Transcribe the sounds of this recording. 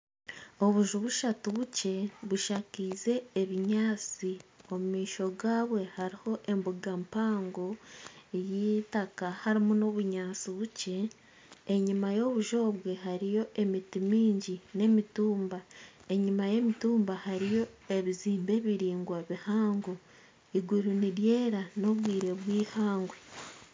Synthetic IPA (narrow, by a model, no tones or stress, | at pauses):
o̞βuʒuβuʃatuβuce̞βuʃakiːze̞ːβiɲaːt͡sio̞mumiːʃo̞ɡaːβwe̞haɾiho̞ʔe̞mbuɡampaːŋɡo̞ | jiːtakahaɾimuno̞βuɲaːt͡siβuce̞ː | ɲimajo̞βuʒo̞ːβwe̞haɾijo̞ʔe̞mitimiːɲɟine̞mituːmbae̞ɲimaje̞mituːmbahaɾijo̞e̞βiziːmbe̞βiɾiːŋɡwaβihaːŋɡo | iɡuɾuniɾje̞ːɾano̞βwiːɾe̞βwiːhaːŋɡwe̞